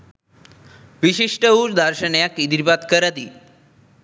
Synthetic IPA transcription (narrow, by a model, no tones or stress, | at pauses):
ʋiɕiʂʈəuːɾd̪ʱaɾɕəɳjakid̪ɾipat̪kəɾət̪i